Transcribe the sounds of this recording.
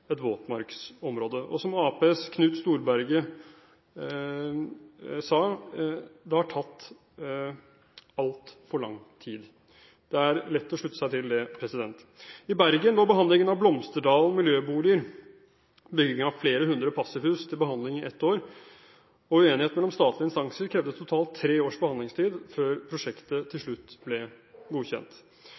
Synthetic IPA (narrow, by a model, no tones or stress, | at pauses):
ɛt̪ʋoːt̪mɑɾksɔmɾoːd̪əʔɔ̰sɔmɑːpeɛskʰnʉːt̪st̪uːɾbæɾɡə | sɑː | d̪ɛhɑʈʰɑt̪ː | ɑlt̪fɔɭɑ̰ŋːt̪ʰiːd̪ | d̪̥ɛæɾlɛt̪ːɔʂɭʉt̪ːəsæɪt̪ʰɪld̪ɛpʰɾɛsɪd̪ɛnt̪ | ɪbæɾɡənd̪ɑːbəɦɑnd̪lɪŋənɑʋblɔmst̪əɖɑːln̩ɔmɪljøːbuːlɪəɾ | bʏɡɪŋənɑʋfleːɾəɦʉnd̪ɾəpʰɑsəhʉːst̪ʰɪlbəhɑnd̪lɪŋɪɛt̪ːoːɾ | ɔʉeːnɪheːt̪mɛlːɔmst̪ɑːt̪ʰlɪɪnst̪ɑŋsəɾkʰɾɛʋd̪ət̪ʰːʊt̪ʰɑːlt̪ʰːɾeːoːʂbəhɑnd̪lɪŋst̪ʰiːd̪føːɾpʰɾʊʂɛkt̪ət̪ʰɪlʂɭʉt̪ːblɛɡuːçɛ̰nt̪